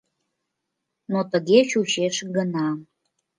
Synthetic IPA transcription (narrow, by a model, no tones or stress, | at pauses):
not̪əɣet͡ɕut͡ɕeʃɡənɑ